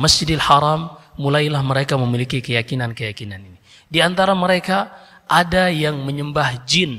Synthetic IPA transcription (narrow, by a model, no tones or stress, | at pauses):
masd͡ʒidalhaɾamːulajlahməɾekaməmilikikəjakinankəjakinanini | diant̪aɾaməɾeka | ʔadajaŋməɲəmbahd͡ʒin